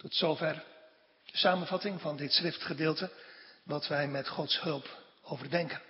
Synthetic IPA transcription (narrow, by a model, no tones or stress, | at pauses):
tɔtsowvɛr | d̥əsaːmənvɑtɪŋvɑndɪtsχrɪftχədeːlˠtədɑtʋɛjmɛtχɔtsɦɵlˠp | owvəɹdɛŋkən